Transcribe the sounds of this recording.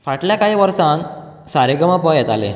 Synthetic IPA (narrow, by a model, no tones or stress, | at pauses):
faʈljakaɦiʋəɾsãn | saɾeɡəməpəjɛt̪alḛ